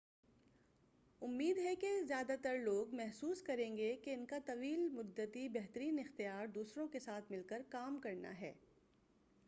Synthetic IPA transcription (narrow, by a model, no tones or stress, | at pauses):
ʊmːiːd̪ɦɛkezjaːd̪at̪ɐɾloːɡmɛɦsuːskɐɾẽːŋɡekeɪnkat̪ɐʋiːlmʊd̪ːət̪ibɛɦt̪əɾiːnɪxt̪ijaːɾd̪uːsɾõkesaːt̪ʰmɪlkəɾkaːmkɐɾna̰ɦɛ̰ː